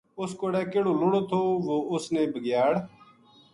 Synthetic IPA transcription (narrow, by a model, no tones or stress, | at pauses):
ʊskoːɽɛːkeːɽoːlʊɽoːt̪ʰoːʋoːʔʊsneːbʱəɡjaːɽ